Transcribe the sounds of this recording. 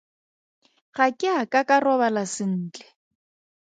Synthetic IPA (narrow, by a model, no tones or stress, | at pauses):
χakʼɪakʼakʼarɔβalasɪn̩ːt͡ɬɛ̥